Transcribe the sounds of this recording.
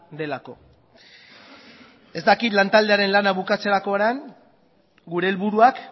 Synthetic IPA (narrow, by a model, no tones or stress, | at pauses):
d̪e̞lako̞̰ | e̞zd̪akit̪lant̪ald̪e̞aɾe̞nlanaβukat͡seɾako̞ɾaŋ | ɡuɾe̞ːlβuɾuak